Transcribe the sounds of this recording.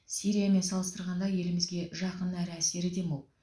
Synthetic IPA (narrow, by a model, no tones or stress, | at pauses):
sijɾijame̞nsɑlˠəst̪əɾʁɑnd̪ɑje̞lɪmɪzɡʲe̞ʒɑqənæɾɪæse̞ɾɪd̪e̞molˠ